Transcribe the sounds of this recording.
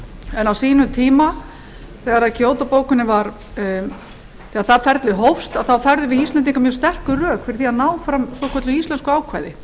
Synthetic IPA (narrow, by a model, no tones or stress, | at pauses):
ɛnawsiːnʏt̪ʰiːma | θɛɣaɾaðcʰoːwt̪apoːwkʏnːɪvaɾ | θɛːɣaɾθaðfɛɾt̪lɪɦowfst̪aðθawfɛɾðʏvɪðist̪lɛnt̪iŋkamjœɾ̥st̪ɛr̥kʏrœːkfɪɾɪθiaðnaːwfɾamsɔkʰœt̪lʏist̪ɛnskʏaːwkʰvaːjðɪ